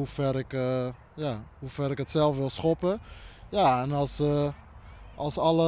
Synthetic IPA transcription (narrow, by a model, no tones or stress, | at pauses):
ufɛrɪk | jahufɛɾɪkɦətsɛlˠfʋɪlˠsχɔpəjaɛnɑlˠs | ʔɑlˠsɑlə